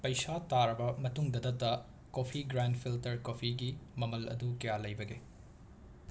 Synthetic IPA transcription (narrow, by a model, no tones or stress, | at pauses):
pɐjsataɾɐbɐmɐtuŋdɐdɐtːɐ | kopʰiɡɾandpʰiltɐɾkopʰiɡimɐmɐlʔɐ̰dukɐjalɐjbɐɡe